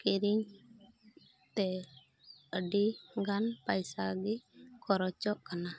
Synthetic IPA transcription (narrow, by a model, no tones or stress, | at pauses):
kiɾiŋ | t̪ɛ | əɖiŋɡanpajsaɡɪkʰɔɾɔt͡ʃɔʔkana